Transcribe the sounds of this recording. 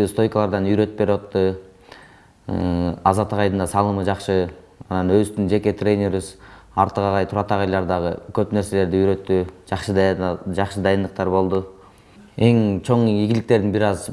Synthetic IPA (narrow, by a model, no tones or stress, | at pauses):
st̪o̞jkəlˠɑɾd̪ɑnyjɾø̞t̪pe̞ɾwɑt̪ːɯ | ɑzɑt̪ːəqɑjd̪ɯnd̪ɑsɑlˠɯmɯd͡ʒɑqʃɯ | ɑnɑnøzt̪ynd͡ʒe̞kʲe̞t̪ʰrʲe̞jnʲeɾysɑɾt̪əʁɑʁɑjt̪ʰuɾɑt̪ɑʁɑjlˠɑɾd̪ɑʁəkʰøpne̞ɾse̞le̞ɾd̪iyjɾø̞t̪ːyd͡ʒɑqʃəd̪d͡ʒɑχʃəd̪ɑjɯnd̪əq̚t̪ɑɾbo̞lˠd̪ʊ | e̞ŋt͡ʃʰo̞ɴiɡʲilɪkt̪e̞ɾd̪ɪnbiɾɑz